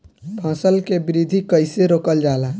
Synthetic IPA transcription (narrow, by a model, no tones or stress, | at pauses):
bʱə̃səlkebiɾid̪ʱikəjseɾokəld͡ʒala